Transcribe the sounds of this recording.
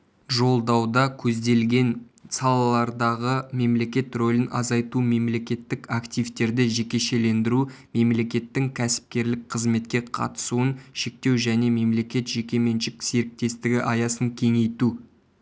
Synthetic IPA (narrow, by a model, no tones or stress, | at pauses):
ʒo̞lˠd̪ɑwd̪ɑkʲʰɵzd̪e̞lɡʲe̞n | sɑlˠɑlˠɑɾd̪ɑʁəme̞mle̞kʲe̞t̪ro̞lʲɪnɑzɑjt̪ume̞mle̞kʲe̞t̪ːɪkakt̪ijvt̪e̞ɾd̪ɪʒe̞kʲe̞ʃe̞le̞nd̪ɪɾume̞mle̞kʲe̞t̪ːɪŋkʲʰæsɪ̥p̚kʲe̞ɾlɪk̚qʰəzme̞t̪̚kʲe̞qʰɑ̰t̪ə̥suənʃe̞k̚t̪e̞wʒæne̞me̞mle̞kʲe̞t̪ʒe̞kʲe̞me̞nʃɪkse̞ɾɪk̚t̪e̞st̪ɪɡʲɪʔɑjɑsəŋkʲʰe̞ŋe̞jt̪u